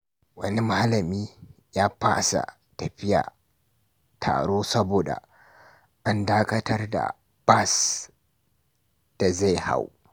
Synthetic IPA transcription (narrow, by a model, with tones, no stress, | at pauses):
wɐ˦ni˦maː˦lɐ˨miː˦ | jaː˦baː˦sa̰˨ | tɐ˨ɸɪ˦ja̰˨ | tʰa̰ː˨ɽoː˦sɐ˦boː˨da̰˨ | ʔa˦ndaː˦kɐ˦tɐ˦rda̰˨ | b̥a˦˨s | d̥a˨za˦jha̰˦w